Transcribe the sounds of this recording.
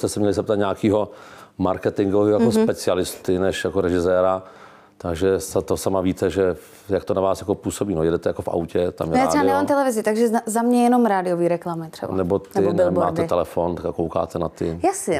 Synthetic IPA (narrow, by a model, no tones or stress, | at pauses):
st̪ɛsɛmɲɛlɪsɛp̚t̪at̪ɲaːkiːɦomaɾkɛt̪ɪŋɡoviːojakospɛt͡sɪalɪst̪ɪnɛʃjakoɾɛʒɪzɛːɾa | t̪aɡʒɛsat̪osamaviːt̪ɛʒɛ | jakt̪onavaːsjako̞puːsobiːnojɛdɛt̪ɛjakofa̰wcɛt̪a̰mjɛjaɾɛbanɛmaːmt̪ɛlɛvɪzɪt̪aɡʒɛzamɲɛjɛnomɾaːdɪjoviːɾɛklamɪt̪r̥ɛ̰banɛbot̪nɛɪɪmaːd̪ɛt̪ɛlɛfont̪akakowka̰ːt̪ɛnat̪ɪjasɪ